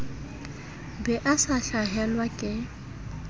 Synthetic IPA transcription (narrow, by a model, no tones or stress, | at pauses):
bɛʔasaɬaɦɛlwakʼɪ